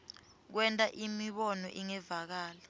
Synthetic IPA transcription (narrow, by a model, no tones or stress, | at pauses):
k̬wɛntʼaʔimiɓɔnɔ̰ʔiŋɛvak̬aːla